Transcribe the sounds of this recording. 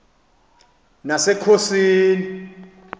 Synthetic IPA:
nasɛkʰosiːni

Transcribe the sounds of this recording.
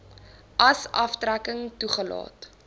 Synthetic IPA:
ʔɐsɐftrækəŋtuχəlɑ̰ːt

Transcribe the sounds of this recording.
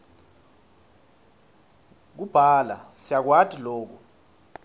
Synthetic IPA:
k̬ub̥ʱala̰sijak̬watʰʼiloːk̬u

